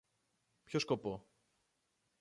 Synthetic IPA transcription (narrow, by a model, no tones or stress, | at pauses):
pçoskopo